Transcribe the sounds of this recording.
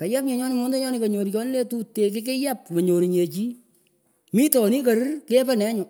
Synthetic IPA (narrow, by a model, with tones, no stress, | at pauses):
ka˨ja˦p̚ɲe˨ɲɔ˦nɪ˦˨mo˦nde˦ɲɔ˦nɪ˨ko˨ɲo˨ɾit͡ʃɔ˦nɪ˦le˦tu˦tːe˨k̬ɪ˦k̬ɪ˦ja˦p̚ma˨ɲo˨ɾi˨ɲe˨t͡ʃi˦ | mi˦tɔ˨ni˦ka˨ɾɪ˦rke˦pɛ˦nɛ˦ɲʊ˨